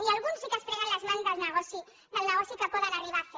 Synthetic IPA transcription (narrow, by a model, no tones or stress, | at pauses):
ialɣunzikəspɾɛɣanləzmanzðəlˠnəɣɔsi | d̪əlnəɣ̞ɔsikəpoðənariβafe